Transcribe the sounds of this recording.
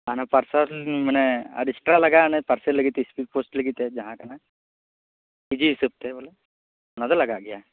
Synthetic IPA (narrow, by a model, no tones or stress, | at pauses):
anapəɾsaim̤ənea̰ɖisʈɾaləɡaːñepəɾselːəɡit̪espipoːsʈləɡit̪ed͡ʒɐɦãkana | id͡ʑisəp̚t̪ebola | ənãələɡaɡja